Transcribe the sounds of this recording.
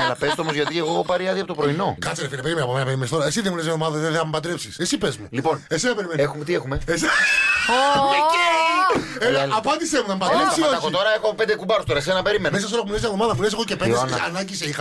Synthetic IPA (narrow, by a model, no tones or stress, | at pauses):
ɐlɐpest̪oomozʝɐt̪ieɣopɐɾiɐðiɐpot̪opɾoino̞kɐt͡sseɾefinɐpeimenɐpomenɐpeɾimenist̪oɾɐesiðemuneszinɐvðomɐðɐðeðeɐmpɐt̪ɾepsisesipezmulipo̞nesenɐpeɾimenexumt̪iexumeeseoee | elɐpɐnd̪isemuðɐmpɐd̪ɾepssioɐkoit̪o̞ɾɐexoɐpopend̪ekubɐɾost̪oɾɐesenɐpe̞ɾimenmes̬ɐs̬t̪oɾkmunez̬inɐvðo̞mɐðɐpunes̬eɣocepend̪esnɐnɐɲɟiseixɐ